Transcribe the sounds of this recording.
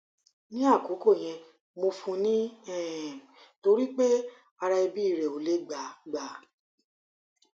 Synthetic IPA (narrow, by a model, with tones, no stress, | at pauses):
nĩ˦a˦˨ko˨˦ko˦˨j̃ɛ̃˧ | mo˧fũ˧nĩ˦ɛ˦˨to˧ɾi˦k͡pe˦ | a˧ɾa˧i˧bi˦i˦˨ɾɛ˨o˨le˨˦ɡ͡ba˨˦ɡ͡ba˨˦